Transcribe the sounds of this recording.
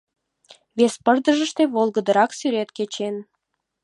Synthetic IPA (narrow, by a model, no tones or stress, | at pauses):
βespərd̪əʒə̆ʃt̪eβolˠɣəd̪əɾɑksyɾet̪ket͡ɕen